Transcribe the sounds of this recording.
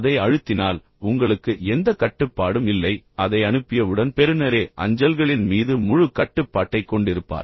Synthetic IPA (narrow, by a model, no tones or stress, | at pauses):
ɐðɐɪɐɻɯt̪ːɪnaːl | ʊŋɡɐɭɯkːɯɛnd̪ɐkɐʈːɯpːaːɽɯmɪlːɐɪɐðɐɪɐɳɯpːɪjɐɯɽɐnpɛɾɯnɐɾeːʔɐ̰ɲd͡ʒɐlɣɐɭɪnmiːðɯmʊɻɯkɐʈːɯpːaːʈːɐɪkːɔɳɖɪɾɯpːa̰ːɾ